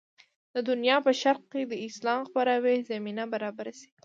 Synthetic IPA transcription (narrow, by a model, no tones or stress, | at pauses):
d̪əd̪ʊnjɑpəʃaɾq̚ked̪əɪslɑmxpaɾɑwezaminabaɾɑbaɾase̥ɡ